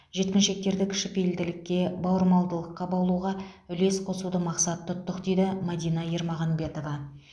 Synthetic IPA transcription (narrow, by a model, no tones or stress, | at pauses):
ʒe̞t̪kʲɪnʃe̞k̚t̪e̞ɾd̪ɪkʲʰɪ̥ʃɪpejɪld̪ɪlɪkʲːe̞bɑwəɾmɑlˠd̪əlˠəqːɑbɑlˠuʁɑʏle̞sqʰo̞sud̪əmɑqsɑt̪ʰːʊt̪ːəqd̪e̞jd̪ɪmɑd̪ijnɑjeɾmɑʁɑnbe̞t̪o̞vɑ